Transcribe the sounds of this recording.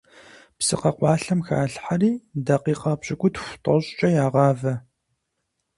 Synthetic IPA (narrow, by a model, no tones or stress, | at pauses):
psɨqɐqʷɑːɬɐmxa̰ːɬħariːdɐqiːqɐbɕʼɪkʷʼʊtxʷtʼɐɕʼt͡ʃʼɐjaːʁɑːvɐ